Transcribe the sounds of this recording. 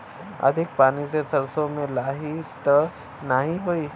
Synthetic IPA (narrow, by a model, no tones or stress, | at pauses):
ɐ̰d̪ʱɪk̚paːnisesɐɾsõmẽlaːɦit̪ | naɦĩɦoiː